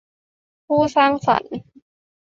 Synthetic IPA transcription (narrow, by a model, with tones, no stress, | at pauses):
pʰuː˥˩saː˥˩ŋsa̰˨˩˦n